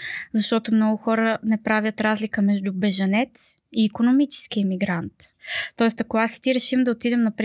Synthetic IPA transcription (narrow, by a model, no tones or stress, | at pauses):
zɐʃt̪ɔt̪omnɔɡʊxɔɾənɛpɾavjət̪ɾazlikəmɛʒd̪ubɛʒɐnɛt̪siːkonomit͡ʃɛ̥sk̟iɛmiɡɾant̪ | t̪ːɔɛst̪ɐkoast̪iɾɛʃimd̪ɐot̪id̪ɛmnɐpɾ